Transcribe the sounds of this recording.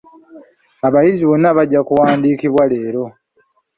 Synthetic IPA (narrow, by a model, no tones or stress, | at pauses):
aβajiziβonːaβaɟːakuwaːndikiβwale̞ːɾo̞